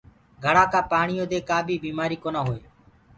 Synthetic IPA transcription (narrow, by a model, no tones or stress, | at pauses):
ɡʱəɽaːkãːpaːɳɪjõːd̪eːkaːbʱiːbiːmaːɾiːkoːnaːɦoːeː